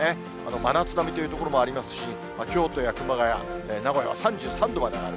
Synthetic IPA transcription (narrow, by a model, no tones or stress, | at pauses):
e | a̰no̞manat͡sɨd̪amʲit̪o̞jɯ̟t̪o̞koɾo̞mo̞aɾʲimasɨ̥ɕi | makʲo̞ːt̪o̞jakɯ̟maɡaja̰eːnaɡo̞ja̰βa̰sãɲ̟d͡ʑɨːsãnd̪o̞mad̪emoa̰ɾɯ